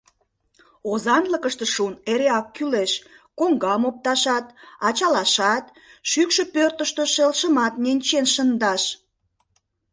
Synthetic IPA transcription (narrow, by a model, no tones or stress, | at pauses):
ozɑnləkəʃt̪eʃuneɾeɑkːyleʃ | koŋɡɑmop̚t̪ɑʃɑt̪ɑt͡ɕɑlɑʃɑt̪ | ʃykʃə̆pørt̪əʃt̪əʃelʃəmɑt̪nenʲt͡ɕenʃənd̪ɑʃ